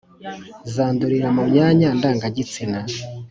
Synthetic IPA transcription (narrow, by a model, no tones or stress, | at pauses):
zaːnduɾiɾamumɲaːɲandaːŋɡaɟit͡sina